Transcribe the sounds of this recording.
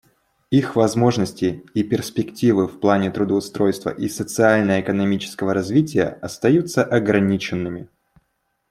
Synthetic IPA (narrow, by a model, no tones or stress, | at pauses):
ixvɐzmo̞ʐnəsʲtʲɪːpʲɪrsʲpʲɪktʲivɨfplˠanʲɪt̪ɾʊd̪əʊst̪ɾo̞jst̪və̰ʔisət̪sɨalʲnəjəɪkənɐmʲit͡ɕɪ̥skəvəɾɐzvʲitʲɪjə̰ɐst̪ɐjut̪sːəʔɐɡɾɐnʲit͡ɕɪnːɨmʲɪ